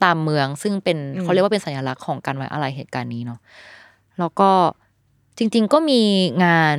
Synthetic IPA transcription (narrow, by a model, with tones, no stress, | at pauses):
t̪aː˧mːɯ˧əŋsɯ˥˩ŋpe˧nkʰa˦˥wɾkwːe˧nsa˩˦njaː˧la˦˥kʰːɔː˩˦ŋkaː˧nwa˦˥jʔa̰˧ɾa˧jɦeː˨˩t̪̚kaː˧nːiː˦˥nɔ˦˥ | lɛː˦˥wkɔː˥˩ | t͡ɕi˧ŋt͡ɕi˧ŋkɔː˥˩miː˧ŋaː˧n